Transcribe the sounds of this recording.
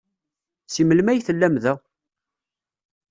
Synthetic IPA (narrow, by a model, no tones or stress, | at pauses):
siməlmæjθəlːæmðæ